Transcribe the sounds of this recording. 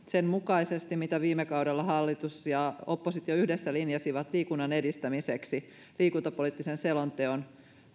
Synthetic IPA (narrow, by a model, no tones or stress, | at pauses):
senmukɑisest̪imit̪æʋiːmːekɑudelːɑhɑlːit̪usjɑopːosit̪ioyhdesːælinjɑsiʋɑt̪liːkunːɑne̞dist̪æmiseksi | liːkunt̪ɑpoliˑːt̪ːisenselont̪eon